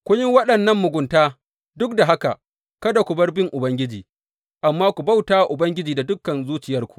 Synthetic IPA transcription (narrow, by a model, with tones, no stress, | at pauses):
kʷʊ˦ɲɪ˦wɐ˦ɗɐ˨nːɐ˦mːʊ˨ɡʷʊ˨ntaː˦ | dʊ˦k̚da˨ɦa˦ka˨ | kɐ˦da˨kʷu˨bɐ˦rbɪ˦ŋʔʊ˨bɐ˦ŋɡʲɪ˦d͡ʒiː˨ | ʔa˨mːaː˦kʷu˨ba˦˨wtaː˦wa˨ʔʊ˨bɐ˦ŋɡʲɪ˦d͡ʒiː˨da˨dʊ˦kːɐ˨nzuː˦t͡ʃɪ˨jɐ˦rkʷu̥˨